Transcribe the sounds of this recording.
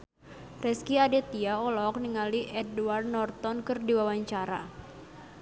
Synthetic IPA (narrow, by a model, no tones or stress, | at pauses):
rɛskiadɛt̪iaɔlɔk̚niŋaliʔɛduward̪̚nɔrt̪ɔnkɨrdiwawaɲt͡ʃaɾa̰